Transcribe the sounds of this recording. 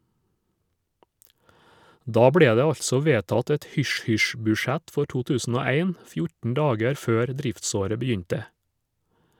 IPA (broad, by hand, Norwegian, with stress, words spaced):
ˈdɑː ˈbɽeː ˈdeː ˈɑʎtsɔ ˈʋeːtɑt ˈɛt ˈhʏʃˌhʏʃ bʉːˈʃæt ˈfɔ ˈʈuː ˈtʉːsn̩ ˈoː ˈæɪn ˈfjʊʈn̩ ˈɖɑːɡæɾ ˈføːɾ ˈdɾɪftˌsoːɾə bəˈjʏɲtə